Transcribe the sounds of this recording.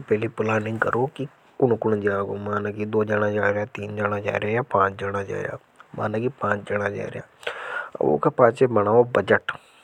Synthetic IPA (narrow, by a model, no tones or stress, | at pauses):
pɛːliːpʊlaːnɪ̃ŋɡkəɾoːki | kʊnkʊɳd͡ʒaːɡoːmaːnaːkid̪oːd͡ʒaːnãːd͡ʒaːɾjaːt̪iːnd͡ʒaːnaːd͡ʒa̰ːɾeaːjaːpãːt͡ʃd͡ʒaɽ̃aːd͡ʒa̰ːɾja̰ː | ma̰ːnãːkipãːt͡ʃd͡ʒanaːd͡ʒa̰ːɾɪ̰ja̰ː | ʋo̰ːkaːpãːt͡ʃeːbəɽ̃aːoːbəd͡ʒəʈ